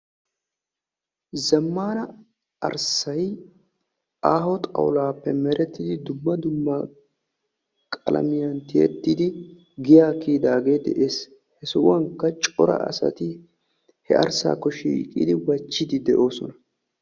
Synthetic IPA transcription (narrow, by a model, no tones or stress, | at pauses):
zɐmːaːnɐ | ɐ̰ɾsɐj | aːhɔt̪ʼɐ̰wlaːpːɛmɛɾɛt̪ːɪd̪ɪd̪ʊmːɐd̪ʊmːɐ | kʼɐ̰lʔɐ̰mɪjɐnt̪ɪjɛ̰t̪ːid̪ɪ | ɡɪjaːkiːd̪aːɡe̞ːd̪ɛ̰ʔe̞ːs | hɛsɔʔʊwɐŋkːɐt͡ʃʼɔɾɐ̰ʔɐ̰sɐ̰t̪ɪ | hɛʔɐ̰ɾsa̰ːkːɔʃḭːkʼḭːd̪ɪwɐt͡ʃːɪd̪ɪd̪ɛʔo̞ːsɔnɐ